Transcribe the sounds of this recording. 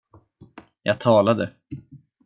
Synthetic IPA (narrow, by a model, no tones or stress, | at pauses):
jɑ̰ːɡ̚t̪ʰɑːlad̪ə